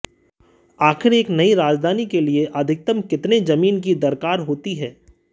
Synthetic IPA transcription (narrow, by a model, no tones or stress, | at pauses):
aːxɪɾeːknɐiɾaːd͡ʒd̪ʱaːnikelieʔɐd̪ʱɪk̚t̪əmkɪt̪ned͡ʒɐmiːnkid̪ɐɾkaːɾɦoːt̪iɦɛː